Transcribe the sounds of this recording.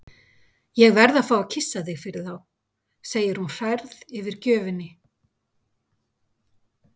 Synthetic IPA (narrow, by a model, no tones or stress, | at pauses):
jɛɣvɛɾðaðfaːwacʰɪsːaθɪɣfɪɾɪð̥θaw | seːjɪɾ̥hunfɛɾðɪvɪɾ̥cœːvɪnɪ